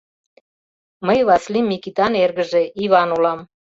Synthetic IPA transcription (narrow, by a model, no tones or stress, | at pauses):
məjβɑslimikit̪ɑnerɣə̆ʒeʔiβɑnulɑm